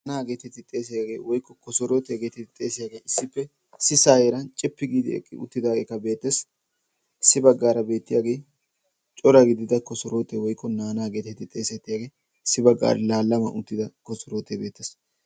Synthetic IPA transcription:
nanaːɡe̞ːt̪ɛt̪ːɪt̪ʼe̞ːs̬ɪjaːɡeːwɔjkːɔkɔsɔɾoːt̪eːɡeːt̪ɪɪt̪ʼe̞ːsɪjaːɡejɪsːɪpːɛ | sɪsaːjeɾɐnt͡ʃʼɪpːɪɡiːd̪ɪ̰ɛ̰kʼːɪ̰ʊ̰t̪ːɪd̪aːɡeːkːɐbe̞ːt̪ːeːs | sɪbɐɡːaːɾɐbe̞ːt̪ːɪjaːɡe̞j | t͡ʃʼɔɾɐɡɪd̪ɪd̪ɐkɔsɔɾoːt̪ewɔjkːɔnaːnaːɡeːt̪ɛt̪ːɪt̪ʼe̞ːsɛt̪ːɪjaːɡe | sɪbɐɡːa̰ːɾlaːlːɐmɐ̰ʔʊt̪ːɪd̪ɐkɔsɔɾoːt̪ːebeːt̪ːeːs

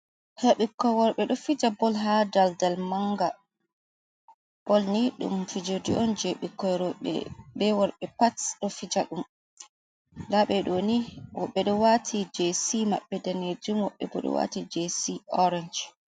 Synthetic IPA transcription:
heɓikːɔjwɔɾɓɛɗɔfid͡ʒabɔlɦadaldalmaŋɡa | b̥ɔlniɗṵmfid͡ʒodiɔnd͡ʒeɓikːɔjɾɔɓɛ̰ɓɛwɔɾɓɛpatsɗɔfid͡ʒaɗum | laɓɛɗoniwɔɓːɛɗɔwatʰid͡ʒesima̰ɓːɛdaned͡ʒumwɔɓːɛ̰bɔ̰ɗɔ̰wa̰tid͡ʒesiɔɾɛnd͡ʒ

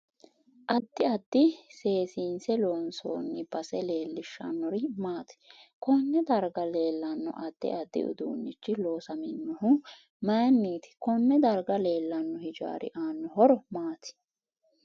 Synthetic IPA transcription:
ʔɐd̪ːɪɐd̪ːɪse̞ːsiːnsɛloːnso̰ːnːɪb̥ɐsɛle̞ːlːɪʃːɐ̰nːɔɾɪmaːt̪ɪ̥kɔnːɛd̪ɐɾɡɐle̞ːlːɐnːɔ̰ʔɐd̪̥ːɪ̰ʔɐd̪ːɪ̰ʊ̰d̪ṵːnːɪt͡ʃːɪloːsɐmɪnːʊɦʊ | mɐjnːiːt̪ɪ̥kɔnːɛd̪ɐɾɡɐle̞ːlːɐnːɔhɪd͡ʒa̰ːɾɪ̰ʔaːnːɔɦɔɾɔmaːt̪ɪ̥

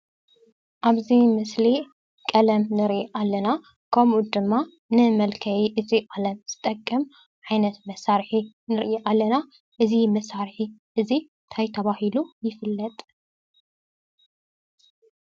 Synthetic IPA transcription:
ʔaβzimɨsli | kʼɐlɐmnɨɾʔiʔalːɐna | kʰɐmud̪ɨmːa | nɨmɐlkʰɐjiʔɨziʔʼalɐmz̥ɨt̪ʼɐkʼːɐm | ʕajnɐt̪mɐsaɾħi | nɨɾʔiʔalːɐna | ʔɨzimɐsaɾħiʔɨzi | t̪ʰajt̪ʰɐβahilujɪfɨlːɐt̪ʼ

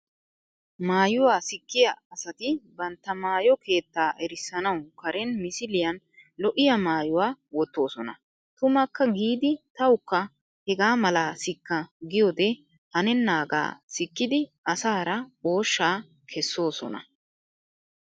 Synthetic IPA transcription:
maːjʊwaːsɪkːɪjɐɐsɐt̪ɪbɐnt̪ːɐmaːjɔke̞ːt̪ːaːɛɾɪsːɐnɐwkɐɾɛnmɪsɪlɪjɐn | lɔʔɪjɐmaːjʊwaːwɔt̪ːo̞ːsɔnɐ̰ | t̪ʊmɐkːɐɡiːd̪ɪt̪ɐwʊkːɐ | hɛɡaːmɐlaːsɪkːɐɡɪjod̪ɛ | hɐnɛnːaːɡa̰ːsɪkːɪd̪ɪ | ɐsaːɾɐo̞ːʃːaː | kʰɛsːo̞ːsɔ̰nɐ̰

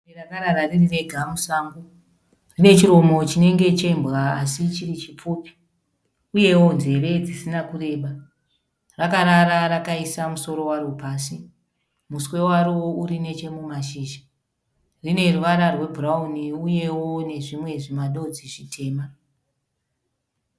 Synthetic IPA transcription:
erakaɾaɾaririʋe̞ɡʱamusaːmbo | rine̞t͡ʃiro̞mo̞t͡ʃine̞ŋɡe̞t͡ʃeimbɣaːsit͡ʃirit͡ʃip͡fupi̥ | uje̞wo̞nze̞ɾe̞d͡zisinakure̞ːɓa | rakaɾaɾaɾakaisamuso̞ɾo̞waɾopaːsi | muswe̞waɾoouɾine̞t͡ʃe̞mumaʃiːʒa | rine̞ruʋaɾarwe̞bʱurauniuje̞wone̞ʐimwe̞ʐimaɗo̞d͡ziʐitʰe̞ːma

